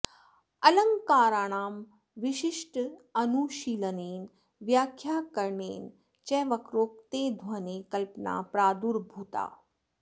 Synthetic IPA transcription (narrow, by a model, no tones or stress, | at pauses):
ɐlɐŋkaːɾaːɳ̃aːm | ʋiʃiʃʈɐnuʃiːləneːn | ʋjaːkʰjaːkɐɾɳḛːn | t͡ʃɛːʋɐkɾoːk̚t̪eːd̪ʱwɐneːkɐlpna̰ːpɾaːd̪uːɾbʱuːt̪a̰ː